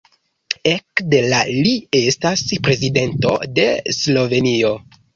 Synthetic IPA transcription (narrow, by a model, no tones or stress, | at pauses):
e̞kde̞lalie̞staspɾe̞zide̞nto̞̰de̞slo̞ve̞nio̞